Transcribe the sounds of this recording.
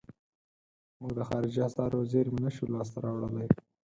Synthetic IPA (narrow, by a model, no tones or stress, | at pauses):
muɡd̪əxɑɾɪd͡ʒiasɑɾwaziɾmɪnaʃulɑs̬t̪aɾɑwɽəlaj